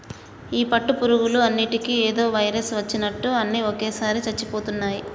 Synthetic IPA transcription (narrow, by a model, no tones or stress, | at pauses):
iːpɐʈːupuɾuɡuluɐnːiʈikieːd̪o̞ːʋɐjɾesʋɐt͡ʃːinɐʈːuɐnːiokeːsaːɾit͡ʃɐt͡ʃːipoːt̪unːaːji